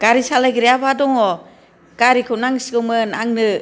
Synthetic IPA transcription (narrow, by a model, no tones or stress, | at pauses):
ɡ̥aɾisalajɡiɾijabadɔŋɔ | ɡ̥aɾikʰɯnaŋsiɡɯmɯnaŋnɯ